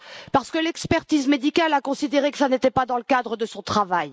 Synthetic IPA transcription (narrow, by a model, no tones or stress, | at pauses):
paʁsə̥kəlɛkspɛʁt̪izmed̪ikʲalakɔ̃sid̪eʁekə̥sanet̪ɛpad̪ɑ̃ləkad̪ʁəd̪əsɔ̃t̪χavaj